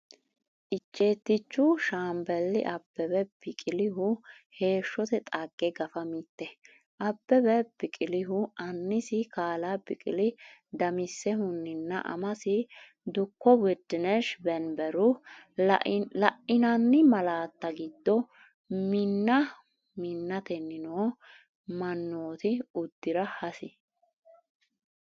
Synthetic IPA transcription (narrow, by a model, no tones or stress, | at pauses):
ʔɪt͡ʃːe̞ːt̪ːɪt͡ʃːʊʃaːmbɛlːɪʔɐbːɛbɛbɪkʼɪlɪhʊ | he̞ːʃːɔt̪ɛt̪ʼɐɡ̥ːɛɡɐfɐmit̪ːɛ | ʔɐbːɛbɛbɪkʼɪlɪɦʊʔɐnːɪsɪkaːlabɪkʼɪ̰lɪd̪ɐmɪsːɛhʊnːɪnːɐ̰ʔɐ̰mɐsɪ | d̪ʊkːɔwɛd̪ːɪnɛʃbɛnbɛɾʊ | lɐʔɪnɐnːɪmɐlaːt̪ːɐɡɪd̪ːɔ | mɪnːɐ | mɪnːɐt̪ɛnːɪnoː | mɐnːoːt̪ɪʊd̪ːɪɾɐhɐsɪ